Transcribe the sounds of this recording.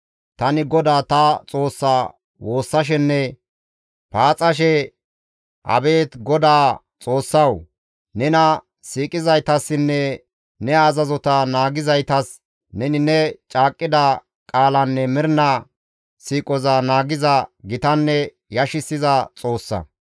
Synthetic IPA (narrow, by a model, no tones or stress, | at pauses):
t̪ɐnɪɡɔd̪aːt̪ɐt͡sʼo̞ːsːa | wo̞ːsːɐʃ̬ɛnːɛ | paːt͡sʼɐʃɛ | ʔɐ̰be̞ːt̪ɡɔd̪aː | t͡sʼo̞ːsːɐw | nɛnɐ | siːkʼɪzɐjt̪ɐsːɪnːɛ | nɛɐzɐzɔt̪ɐnaːɡɪzɐjt̪ɐs | nɛnɪnɛt͡ʃʼaːkʼːɪd̪ɐ | kʼaːlɐnːɛmɪɾnɐ | siːkʼɔzɐnaːɡɪzɐɡɪt̪ɐnːɛ | jɐʃɪsːɪzɐt͡sʼo̞ːsːɐ̰